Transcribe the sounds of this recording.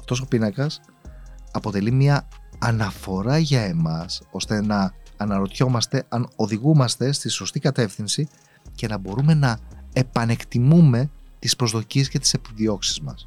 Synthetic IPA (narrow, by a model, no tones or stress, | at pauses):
ɐft̪o̞s̬o̞pinɐkɐs | ɐpo̞t̪e̞limiɐːnɐfo̞ɾɐʝɐe̞mɐso̞st̪e̞nɐːnɐɾo̞t̪ço̞mɐst̪e̞ɐno̞ðiɣumɐst̪e̞st̪iso̞st̪ikɐt̪e̞fθinsi | ce̞nɐbo̞ɾume̞nɐepɐne̞kt̪imume̞t̪ispɾo̞zðo̞cie̞sce̞t̪i̥se̞piðio̞ksi̥zmɐ̰s